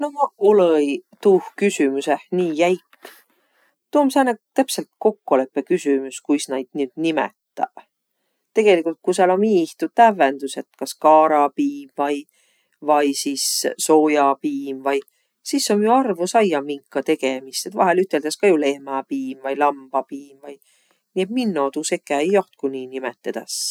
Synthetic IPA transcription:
noɑolojt̪uːhkysymusehniːjæjkː | t̪uːmseɑnɑt̪æpselt̪̚ko̞kːole̞pːe̞kysymuskujsnɑjd̪̥nyːd̪̥nimḛt̪ːˑɑ̰̥ | t̪e̞ɡ̥e̞likult̪̚kusɑlonmiːiht̪ut̪æve̞nd̪̥use̞t̪kɑskɑːɾɑpiːmvɑj | vɑjsissoːjɑpiːmvɑj | sisːomjuɑrvusɑjɑmiŋkːɑt̪e̞ɡ̥emist̪et̪vɑ̰ɦelyt̪ːˑe̞ld̪ɑskɑjule̞hmɑpiːmvɑjlɑmb̥ɑpiːmvɑj | niet̪minːot̪usekːˑæejːoht̪̚kuniːnimḛt̪ːˑed̪̥ɑ̰s

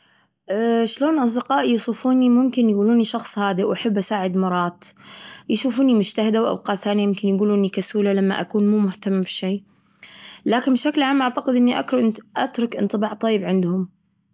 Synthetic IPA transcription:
ʔaʃloːnʔɑsˤd̪ɪqɑːʔjsˤuːfuːnimʊmkɪnjɡuːluːniʃɑxsˤhaːd̪iwʔaħabːʔasaːʕɪd̪mɑɾˤɑːt̪ˤjɪʃuːfuːnimʊd͡ʒt̪ahɪd̪awʔa̰b̚qɑːʔθaːnjamʊmkɪnjɡuːluːʔɪnikasuːlalamːa̰ʔakuːnmuːmʊht̪amːbɪʃiː | laːkɪnbɪʃaklʕaːmʔaʕt̪aqɪd̪ʔɪnːiʔa̰kɾʊʔɪnʔat̪ɾˤʊkʔɪ̰nt̪ˤɨbɑːʕt̪ˤɑjːɪbʕɪnd̪hʊm

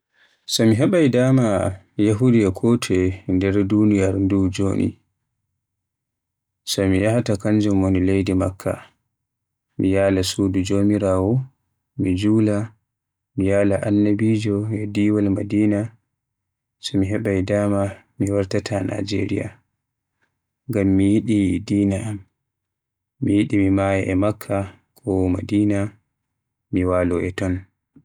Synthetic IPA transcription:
sɔmiɦɛɓajdama | jaɦudijakʰɔtʰɛndɛɾdunijaɾndud͡ʒoːnʔḭ | sɔmijahatakaɲd͡ʒumwonilejdimakʰːa̰ | mijaːlasuːdud͡ʒomiɾaːwɔ | mid͡ʒuːla | mijaːlaʔanːabiːd͡ʒɔɛdiːwalmadiːna | sɔmiɦɛɓajdaːma | miwaɾtatʰana̰d͡ʒḛɾija̰ | ɡamːijiɗidiːnaam | mːijiɗimimaːjɛʔɛmakʰːa | kʰɔma̰diːna | miwaːlɔʔɛtɔn

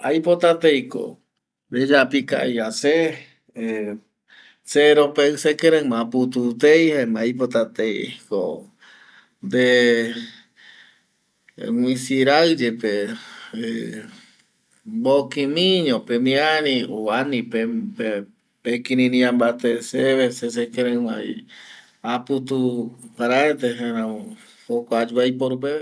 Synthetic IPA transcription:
ajpot̪at̪ejko̰ | d̪ed͡ʒapika̰ʔejase | e | seɾopesekeɾamãput̪ut̪ejhemaajpot̪at̪ejḛko | d̪e | wĩsiɾaɨd͡ʒepe | e | bokimĩɲõpemĩanĩoanĩpepe | pekiɾĩnĩãmbat̪eseβeses̬ekeɾema̰j̰ | aput̪ukaɾaɾet̪eɦeɾã | hokʷad͡ʒuaipoɾup̬e

